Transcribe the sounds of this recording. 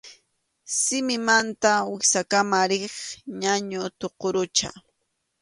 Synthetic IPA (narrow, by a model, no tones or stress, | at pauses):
sɪmɪmant̪awɪsakamaɾɪχɲaɲʊt̪oqoɾʊt͡ʃa̰